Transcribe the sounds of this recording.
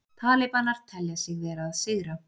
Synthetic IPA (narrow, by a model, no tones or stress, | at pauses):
t̪ʰaːlɪpanaɾ̥t̪ʰɛljasjɛɣvɛːɾaːðsɪɣɾa